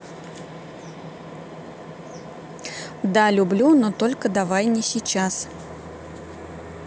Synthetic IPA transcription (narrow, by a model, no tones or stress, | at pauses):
d̪alʲʊblʲunot̪olʲkəd̪avajnʲɪsʲɪt͡ɕas